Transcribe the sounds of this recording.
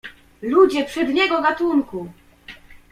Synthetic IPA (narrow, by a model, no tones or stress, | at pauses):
lud͡ʑɛpʂɛd̪ɲɛɡɔɡat̪uŋku